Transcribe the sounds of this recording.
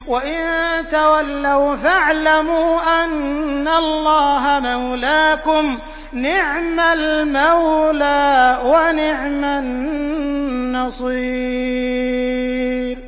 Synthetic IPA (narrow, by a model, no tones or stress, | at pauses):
waʔɪnt̪awalːawfaʕlamuːʔanːalˤːɑːɦamawlaːkʊm | nɪʕmalmawlaːwanɪʕman | ɑsˤiː | b